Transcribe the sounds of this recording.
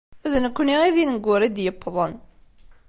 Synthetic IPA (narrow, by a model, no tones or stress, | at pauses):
æðnəkʷːniʁiðinəɡːʊɾˤid̪jəpːðˤən